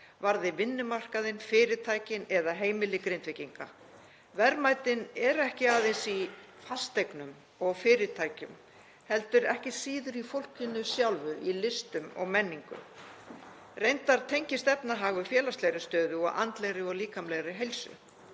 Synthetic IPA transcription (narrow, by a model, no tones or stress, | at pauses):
vaɾðɪvɪnːʏmar̥kaðɪnfɪːɾɪt̪ʰaːjcɪnɛðaɦeːjmɪlɪkɾejnt̪vɪciŋka̰ | vɛɾmaːjt̪ɪnɛɾɛhcɪaːðensi | fast̪ejknʏm | ɔɣfɪːɾɪt̪ʰaːjcʏ̰m | hɛlt̪ʏɾɛhcɪsiːðʏɾifowl̥cʏnːʏsjawlvʏʔilɪst̪ʏmɔ̰ɣmɛnːiŋkʏ̰m | rejnt̪aɾ̥t̪ʰejɲcɪst̪ɛpnaɦaɣvʏfjɛːlast̪lejɾɪst̪œːðʏɔ̰ɣa̰nt̪lejɣɾɪɔɣliːkamlejɣɾɪɦejlsʏ̰